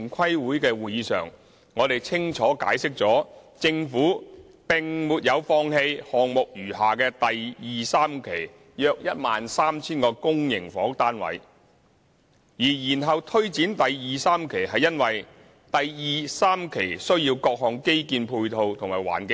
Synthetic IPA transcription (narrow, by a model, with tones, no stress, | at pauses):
ŋkʰɐ˥jwuː˨˥jkɛː˧wuː˨˧jiː˨˧˥sœ̰ː˨˩ŋː | ɔː˨˧t̪e˨jt͡sʰɪ˥ŋt͡ʃʰɔː˨˥ka̰ː˨˥jsɪ˥k̚t͡sɔː˨˥t͡sɪ˧ŋfuː˨˥ | pɪ˨ŋmuː˨˧t̚jɐ˨˧wfɔː˧ŋhe˧jhɔː˨ŋmʊ˨k̚jyː˨˩haː˨kɛː˧t̪ɐ˨jjiː˨saː˥mkʰe˨˩j | jœː˧k̚jɐ˥t̚maː˨nsaː˥mt͡sʰiː˥nkɔː˧kʊ˥ŋjɪ˨˩ŋfɔː˨˥ŋt̪aː˥nwɐ̰˨˥j | jiː˨˩jiː˨˩nɦɐ˨wt̪ʰɵ˥ɥt͡siː˨˥nt̪ɐ˨jjiː˨˩saː˥mkʰe˨˩jɦɐ˨jːɐ˥nwɐ˨j | t̪ɐ˨jjiː˨saː˥mkʰe˨˩jsɵ˥ɥjiː˧wkɔː˧k̚ɦɔː˨ŋke˥jkiː˧npʰuː˧jt̪ʰo˧wt̪ʰʊ˨˩ŋmaː˨˩wa̰ː˨˩nkɪ˧